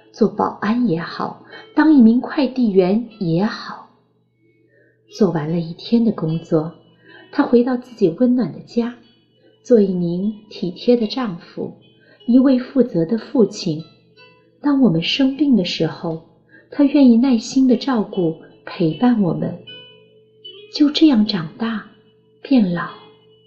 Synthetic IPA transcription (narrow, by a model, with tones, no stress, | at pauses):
t͡swɔ˥˩pɑ̰˨˩ʊʔa˥njɛ˧˥xɑ˨˩˦ʊt̪ɑ˥ŋi˥˩mi˧˥ŋkʰwa˥˧ɪt̪i˥˩ɥɛ˧˥njɛ˧˥xɑ˨˩˦ʊ | t͡swɔ˥˩wa˧˥nlə˧i˥˩t̪ʰjɛ˥nd̪ə˨kʊ˥ŋt͡swɔ˥˩ | t̪ʰa˥xwe˧˥ɪt̪ɑ˥˧ʊt͡sɹ̩˥˩t͡ɕi˨˩wə˥nnwa˨˩nd̪ə˦t͡ɕja˥ | t͡swɔ˥˧i˥˩mi˧˥nt̪ʰi˨˩t̪ʰjɛ˥d̪ə˨ʈ͡ʂɑ˥˩ŋfṵ˨˩˦ | i˧˥we˥˧ɪfu˥˩t͡sɤ˧˥d̪ə˧fu˥˩t͡ɕʰi˥˩n | t̪ɑ˥ŋwɔ˨˩mə˦nʂɤ˥ŋmi˥˩ŋd̪ə˩ʂɻ̩˧˥xo˥˧˩ʊ | t̪ʰa˥ɥɛ˥˧ni˥˧na˥˩ɪɕi˥nd̪ə˨ʈ͡ʂɑ˥˧ʊku˥˩ | pʰe˧˥ɪpa˥˩nwɔ˨˩mə̰˦n | t͡ɕjo˥˧ʊʈ͡ʂɤ˥˧jɑ˥˩ŋʈ͡ʂɑ˨˩ŋt̪a˥˩ | pjɛ˥˩nlɑ˨˩˦ʊ